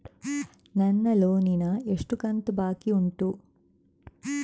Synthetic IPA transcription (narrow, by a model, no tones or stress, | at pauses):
nɐnːɐloːninɐeʂʈukɐnt̪ubaːkiuɳʈu